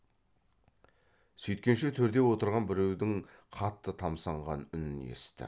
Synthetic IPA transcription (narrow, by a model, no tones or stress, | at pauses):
sɵjt̪̚kʲe̞nʃe̞t̪ʰɵɾd̪e̞wo̞t̪əɾʁɑnbɪɾe̞wd̪ɪŋqʰɑt̪ːət̪ʰɑmsɑɴʁɑnʏnɪnḛst̪ɪ̰